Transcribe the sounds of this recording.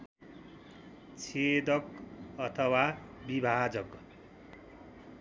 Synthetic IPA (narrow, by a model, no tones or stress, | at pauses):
t͡sʰed̪ʌkʌt̪ʰʌwabibʱad͡zʌk